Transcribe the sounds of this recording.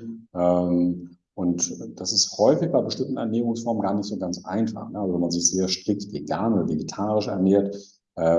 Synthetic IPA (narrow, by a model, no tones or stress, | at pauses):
ʔɛm | ʔʊntd̥asɪsthɔʏfɪçb̥aɪbəʃtɪmtn̩ɛɐnɛːʁ̞ʊŋsfɔɐmənɡaːɐnɪçtz̥oːɡant͡sʔa̰ɪnfa̰χnəʔalzovɛnmanzɪçz̥eːɐʃtʁ̥ɪk̚tvḛɡaːnodɐveɡetʰaːʁɪʃɛɐneːɐt | ʔɛː